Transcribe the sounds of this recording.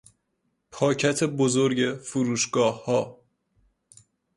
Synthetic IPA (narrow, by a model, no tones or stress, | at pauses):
pʰɒːcʰæt̪ʰebozoɾɟe̞fuɾuːʃɡɒːhːɒː